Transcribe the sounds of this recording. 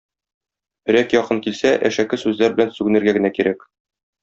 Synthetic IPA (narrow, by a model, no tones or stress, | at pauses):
ɘ̆ɾækjɒqɤŋkilsæʔæʃækɘsʉzlæɾbɘ̆lænsʉɡɘ̆nɘ̆ɾɡæɡɘ̆nækiɾæk